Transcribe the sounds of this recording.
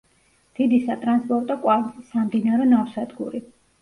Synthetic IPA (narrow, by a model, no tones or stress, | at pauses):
d̪̥id̪isat̪ʼɾanspʼɔɾt̪ʼɔkʼwalʼisamd̪inaɾɛnaɾsad̪ɡṵɾi